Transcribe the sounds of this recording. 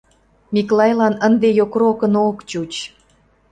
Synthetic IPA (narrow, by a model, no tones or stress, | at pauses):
mʲiklɑjlɑnənd̪ejokɾokənokt͡ɕut͡ɕ